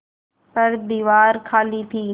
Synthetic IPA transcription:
pɐɾd̪iːʋaːɾkʰaːlit̪ʰiː

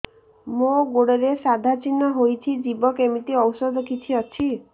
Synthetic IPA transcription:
moɡoɽeɾesad̪ʱat͡ʃinːɔɦojt͡ʃʰid͡ʒibɔkemit̪iɔwsɔd̪ʱɔkʰit͡ʃʰiɔt͡ʃʰi

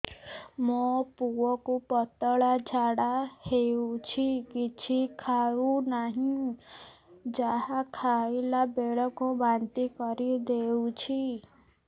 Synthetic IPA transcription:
mɔpuwɔkupɔt̪ɔɭad͡ʒʱaɽaheut͡ʃʰikit͡ʃʰikʰaɾunaɦĩ | d͡ʒaɦakʰaelabeɭɔkubant̪ikɔɾid̪eut͡ʃʰi

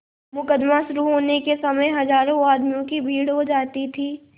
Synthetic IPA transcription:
mʊkəd̪maʃʊɾuɦoːnekesɐməjɦɐzaːɾõaːd̪mijõkibʱiːɽɦod͡ʒaːt̪it̪ʰiː

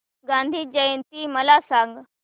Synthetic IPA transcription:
ɡãːnd̪ʱiːd͡ʒəjẽnt̪iməlasãːŋɡ

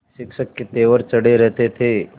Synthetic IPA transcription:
ʃɪkʃəkːet̪eːʋəɾt͡ʃəɽeɾɛɦt̪et̪ʰe

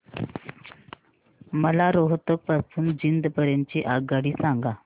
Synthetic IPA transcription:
məlaɾoɦt̪ək̚pasuːnd͡ʑind̪pəɾent͡ɕiʔaɡəɽiːsaŋɡa

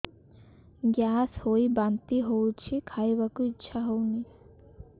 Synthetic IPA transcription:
ɡjaːshoibant̪iɦowt͡ʃʰikʰajbakuɪtːʃʰaɦowni

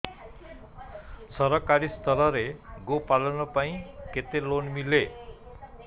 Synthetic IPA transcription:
sʌɾʌkaɾist̪ʰʌlʌɾeɡopalʌnʌpaĩket̪elonmile

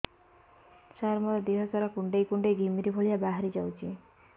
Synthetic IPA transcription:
saɾmɔt̪ɔd̪iɦɔsaɾakuɳɖejkuɳɖeɡʱimiɾibʱoɭijabaɦaɾid͡ʒawt͡ʃʰi

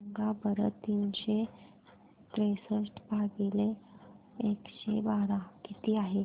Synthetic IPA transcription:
ŋɡabəɾət̪ːiːnɕe | t̪ɾesəsʈbʱaɡile | ekɕebaɾakit̪iːaɦe

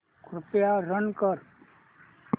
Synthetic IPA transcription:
kɾʊpjaɾənkəɾ

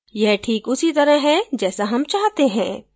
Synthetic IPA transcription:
jɛɦʈʰiːkʊsit̪ɐɾəɦɦɛd͡ʒɛːsaɦɐmt͡ʃaːɦt̪eɦɛ̰̃ː

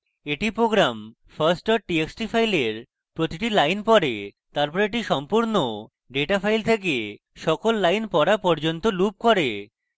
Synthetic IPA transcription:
eʈipɾoɡɾam | faɾsʈɔɾʈieksʈifʰajleɾ | pɾot̪iʈilajnpɔɾet̪aɾpɔɾeʈiʃɔmpuɾno | ɖeʈafʰajlt̪ʰeke | ʃɔkolːajnpɔɾapɔɾd͡ʑont̪olup̚koɾe

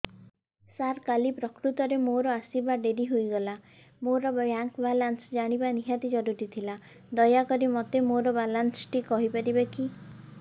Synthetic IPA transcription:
saɾkalipɾɔkɾut̪ɔɾemoɾɔasibaɖeɾiɦojɡɔla | moɾɔjaŋkbalansd͡ʒaɽ̃ibaniɦat̪id͡ʒɔɾuɾit̪ʰila | d̪ɔjakɔɾimɔt̪emoɾɔbalansʈikɔɦipaɾibeki

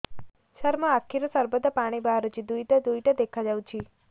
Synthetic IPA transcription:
ʃəɾmaakʰːiɾəsəɾbəd̪əpaɽ̃ibaɦɾut͡ʃʰid̪ujʈəd̪ujʈəd̪ekʰad͡ʒaʋt͡ʃʰi

